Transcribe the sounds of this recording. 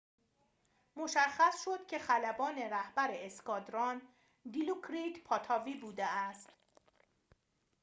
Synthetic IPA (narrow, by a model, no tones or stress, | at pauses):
mo̞ʃæχːæsʃo̞d̪̥cʲʰe̞χælæbɒːne̞ɾæhbæɾeːskɒːd̪ɾɒn | d̪ilukʰɾit̪pʰɒt̪ʰɒːviːbuːd̪eæst̪